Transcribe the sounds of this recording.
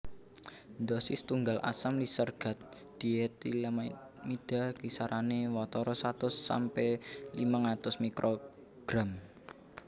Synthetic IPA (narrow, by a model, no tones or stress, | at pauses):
nd̪ɔsɪst̪uŋɡalʔa̰samlisərɡ̥a̤t̪̚ | d̪̥iet̪ila | mid̪̥a̤kisaɾʔanewɔt̪ɔɾɔsat̪ʊsːa̰mpelimaŋat̪ʊsmikɾʔo | ɡ̥ɾam